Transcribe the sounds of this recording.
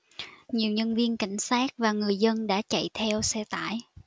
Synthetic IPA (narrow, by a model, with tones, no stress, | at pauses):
ɲi˨˩əwɲə˧nvi˧ənka̰˧˩jŋ̟saː˦˥k̚vaː˨˩ŋɨ˨˩əjzə˧nɗa̰ː˧˥t͡ɕa̰˧˨jt̪ʰɛ˧wsɛ˧t̪a̰ː˧˨j